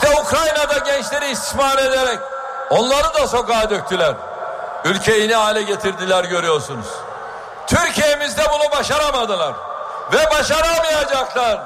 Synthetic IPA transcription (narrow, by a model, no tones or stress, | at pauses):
t̪ɛukɾajnad̪aɟɛnt͡ʃlʲe̞ɾiːst̪ʰi̥smaːɾe̞d̪eɾɛc | o̞nlˠaɾɯnd̪aso̞kaːd̪ø̞c̚t̪ʰylʲæɾ | ylʲcʰe̞jiniaːlʲɛɟe̞t̪ʰiɾd̪ilʲæɾɟø̞ɾyjo̞ɾsunṵz̥ | t̪ʰyɾcijemizd̪ɛbunubaʃaɾamad̪ɯlˠaɾ̥ | vɛbaʃaɾamɯjad͡ʒaklˠaɾ